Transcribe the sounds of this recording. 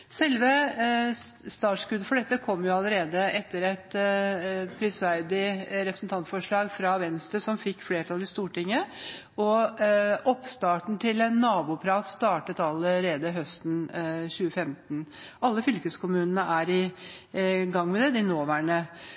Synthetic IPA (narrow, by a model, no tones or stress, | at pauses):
sɛlʋə | st̪ɑːʈʂkʉd̪əfɔɖɛt̪ːəkʰɔmːjʊɑləɾeːd̪əʔɛt̪ːəɾɛt̪ | pʰɾɪsʋæɾd̪ɪɾɛpɾəsn̩t̪ʰɑnt̪fɔʂɭɑːɡfɾɑʋɛnst̪ɾəsɔmfɪkːfleːʈʰɑlɪst̪uːʈɪŋːə | ɔ | ɔpst̪ɑːʈɳ̩t̪ʰɪlɛnːɑːbʊːpʰɾɑːt̪st̪ɑːʈət̪ɑlːəɾeːd̪əɦœst̪n̩çʉːəfɛmt̪nʔɑlːəfʏlkəskʰʊmʉːnənəʔæɾɪ | ɡɑŋːmɛd̪ɛd̪ɪnoːʋæɳə